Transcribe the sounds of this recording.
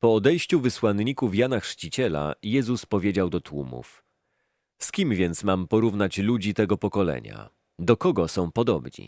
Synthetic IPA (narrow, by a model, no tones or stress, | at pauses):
pɔːd̪ɛjɕt͡ɕuvɘswanɲikufjanaxʂt͡ɕit͡ɕɛla̰jɛzuspɔvʲjed͡ʑawd̪ɔt̪wṵmṵf | skʲimvʲjɛnt̪smampɔɾuvnat͡ɕlud͡ʑit̪ɛɡɔpɔkɔlɛ̰ɲa̰ | d̪ɔkɔɡɔsɔ̃w̃pɔd̪ɔbɲḭ